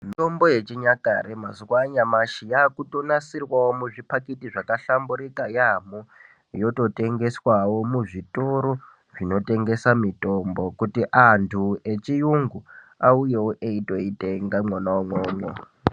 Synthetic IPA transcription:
mitombo̞jet͡ʃiɲaka̰ɾemazwaɲamaʃijaːkuto̞nasirwawomuʐipakitiʐakaɬambuɾikajamu | jo̞to̞te̞ŋɡe̞swawo̞muʐitoɾo | ʐino̞te̞ŋɡe̞samitʼo̞mbo̞kutiʔantʰuet͡ʃijuŋɡuaujewoʔeito̞iteŋɡamwonawomwoːmwo̰

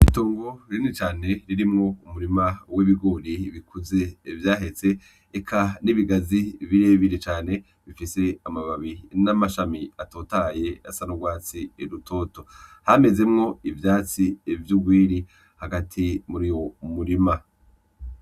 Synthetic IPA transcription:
itoːŋɡo̞ɾinit͡ʃaːne̞ɾiɾimŋo̞umuɾimawiβiɡo̞ːɾiβikʰuze̞vjaːɦe̞t͡se̞ː | kʰaniβiɡaziβiɾeβiɾet͡ʃaːne̞ | βifise̞amaβaβinamaʃamiatoːtaje̞asanoɡwaːt͡sieɾutʰo̞to̞hame̞ze̞mŋo̞ivjaːt͡sivjuɡwiːɾi | haɡatʰimuɾijo̞muɾima

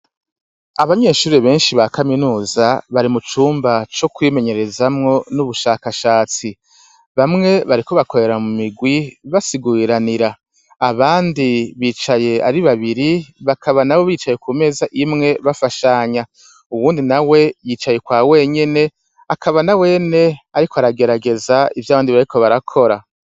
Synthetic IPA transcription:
aβaɲe̞ːʃuːɾeβe̞ːnʃiβakaminuːzaβaɾimut͡ʃuːmbat͡ʃo̞kwiːme̞ɲe̞ɾe̞zamŋo̞nuβuʃaːkaʃaːt͡si | βamŋe̞βaɾiko̞βako̞ɾe̞ɾamumiɡwiβasiɡuiɾaniɾaː | βaːndiβiːt͡ʃaje̞aɾiβaβiɾiβakʰaβanawo̞βiːt͡ʃaje̞kume̞ːzaʔimŋe̞βafaʃaɲa | uwuːndinawe̞jiːt͡ʃaje̞kwaːwe̞ɲe̞ne̞ | akʰaβanawe̞ːne̞aɾikoaɾaɡe̞ɾaɡe̞zaivjaːβaːndiβaɾikʰo̞βaɾakʰo̞ɾa

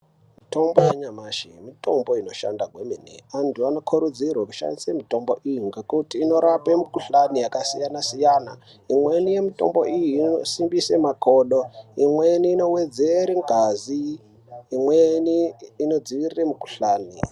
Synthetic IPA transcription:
mito̞mbojeɲamaːʃimito̞mbo̞ino̞ʃa̰ndaɡʱweminḛantʰuano̞kʰuɾud͡zirwaku̥ʃa̰ndisemito̞mboʔijuŋɡekutiːno̞ɾapemikuɬanijakasijanasijaːna | imwenije̞mito̞̰mbo̞̰ʔijiːosimbisemakʰoːɗo̞imweniːno̞wed͡zeɾiŋɡʱaziː | mweniːno̞d͡ziʋiriremukuɬaːni

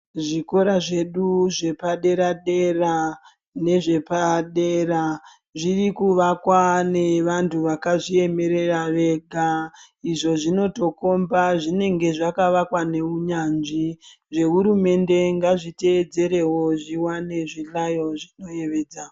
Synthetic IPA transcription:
ʐiko̞ɾaʐe̞ɗuʐe̞paɗe̞ɾaɗe̞ra | ne̞ʐe̞paɗe̞ra | ʐirikuʋakwaneʋantʰuʋakaʐie̞me̞ɾe̞raʋe̞ɡʱa | iʐo̞ʐino̞to̞ko̞mbaʐine̞ŋɡe̞ʐakaʋakwane̞uɲanʐi | ʐe̞ɦuɾume̞nde̞ŋɡaʐite̞ːd͡ze̞ɾe̞wo̞ʐiwane̞ʐilajo̞ʐino̞je̞ʋe̞ːd͡za

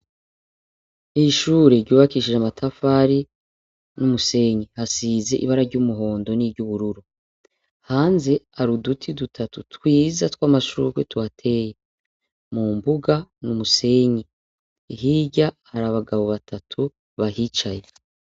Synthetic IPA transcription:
iʃuɾe̞ɾɟuːβakiʃiʒamatʰafaːɾi | numuse̞ɲihasiːze̞ʔiβaɾaɾɟuːmuɦo̞ːndo̞niɾɟuβuɾuɾu | haːnze̞aɾudutʰidutʰatutkwiːzatwaːmaʃṵːkwetwatʰe̞je | muːmbuɡanumuse̞ɲi | iɦiːɟa | haɾaβaɡaβoβatʰatʰu | βahit͡ʃaje̞

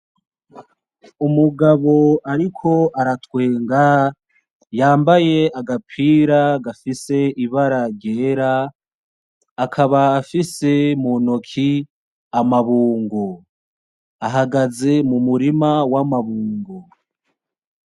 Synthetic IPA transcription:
umuɡaβo̞aɾikʰo̞aɾatwe̞ːŋɡa | jaːmbaje̞aɡapʰiːɾaɡafise̞iβaɾaɾɟe̞ːɾa | kʰaβaːfise̞munokʰi | amaβuːŋɡo | aɦaɡaze̞mumuɾimawamaβuːŋɡo

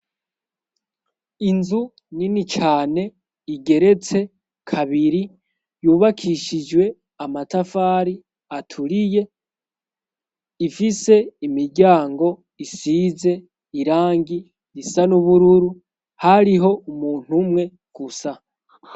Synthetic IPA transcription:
inzu | ninit͡ʃaːne̞ | iɡe̞ɾe̞t͡se̞ | kʰaβiɾi | juːβakʰiʃid͡ʒwe̞ | amatafaːɾi | atʰuɾije̞ | ifise̞imiɾɟaːŋɡo̞ | isize̞ | iɾaːŋɡiː | sanuβuɾuɾu | haɾiɦo̞umuːn̥umŋe̞ | ɡ̥usa

